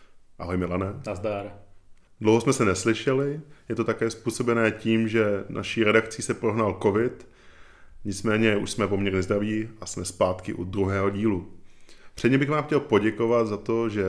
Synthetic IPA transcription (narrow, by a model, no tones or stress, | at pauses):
ʔaɦojmɪlanɛazd̪aːɾ | dlowɦosmɛsɛnɛslɪʃɛlɪjɛt̪o̞t̪akɛːspuːso̞bɛnɛːciːmʒɛna̰ʃiːɾɛdakt͡siːsɛpɾo̞ɦnalko̞vɪt̪ | ɲɪt͡smɛːɲɛuʃsmɛpo̞mɲɛɾɲɛzd̪ɾaviːasmɛspaːt̪kɪʔud̪ɾuɦɛːɦo̞ɟiːlu | pr̥ɛdɲɛmbɪxɣvaːmxcɛlpo̞ɟɛko̞vat̪zat̪o̞ʒɛ